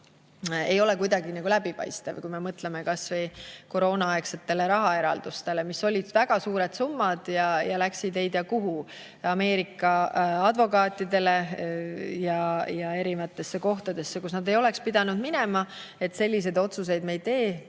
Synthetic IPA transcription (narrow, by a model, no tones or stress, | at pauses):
e̞jo̞le̞kujd̪̥ɑɡinɑɡulæbipɑ̰jst̪ɑ̰vkujme̞mɤt̪le̞me̞kɑsvejko̞ɾo̞ːnɑɑekse̞t̪ːe̞le̞ɾɑɦɑe̞ɾɑ̰ld̪̥ust̪e̞le̞misːo̞lʲid̪̥væɡ̥ɑsuːɾe̞d̪̥sumːɑd̪̥jɑjɑlæksid̪e̞jd̪̥jɑkuɦu | ɑme̞ːɾikːˑɑɑd̪̥vo̞kɑːt̪ːˑid̪e̞le̞ | jɑjɑe̞ɾimɑt̪ːˑe̞sːeko̞ht̪ɑd̪̥e̞sːekusnɑd̪e̞jo̞le̞kspid̪̥ɑnud̪mine̞mɑe̞t̪se̞lʲːis̬e̞jd̪o̞t̪sus̬e̞jd̪̚me̞jt̪e̞ː